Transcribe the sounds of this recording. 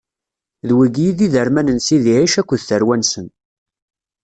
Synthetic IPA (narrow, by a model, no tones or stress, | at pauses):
ðwiɡijiðiðəɾmænənsiðiʕiʃækʷːəðθəɾwænsən